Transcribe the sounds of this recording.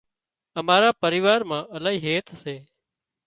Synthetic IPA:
əmaːɾaːpəɾɪːʋaːɾmãːʔəlaːɦiːɦeːt̪ʰseː

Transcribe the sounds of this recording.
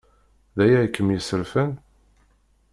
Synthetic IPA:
ðæjæjkːəmjəsəɾfæn

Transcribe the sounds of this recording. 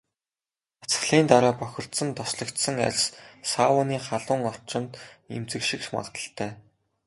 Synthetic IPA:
at͡s̆χɮiːnt̪aɾaːpœxʲɪ̆r̥t̪sə̆nt̪ɔsɮɞ̆kt̪sə̆ŋa̰ɮʲssawʊːniːχaɮʊ̆ːŋɔr̥t͡ɕɪ̆nt̪ḛmt͡sɘ̆kʃĭkʃma̰ʁt̪ə̆ɬt̪ʰæː

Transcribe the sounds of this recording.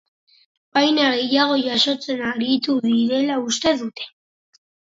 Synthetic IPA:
bajnaɣe̞jaɣ̞o̞ʝaʃo̞t͡se̞naɾit̪uðiɾe̞laust̪e̞ðut̪e̞̥

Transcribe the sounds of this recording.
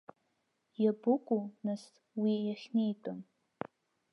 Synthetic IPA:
jabʊkʷʼunɨs | wijaχʲnejtʼon

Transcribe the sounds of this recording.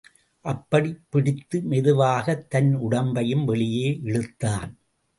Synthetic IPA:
ʔɐpːɐɽɪpːɪɽɪt̪ːɯmɛðɯʋaːɣɐt̪ːɐnʊɽɐmbɐjɯmʋɛɭɪjeːʔɪɻɯt̪ːaːn

